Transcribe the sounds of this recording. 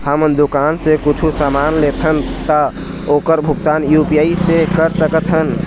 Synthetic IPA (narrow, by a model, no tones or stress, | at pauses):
həmənd̪ukansẽkut͡ʃʰusamanlet̪ʰənt̪ə | okəɾbʱuk̚t̪anjupijaisẽkəɾsəkət̪ɦən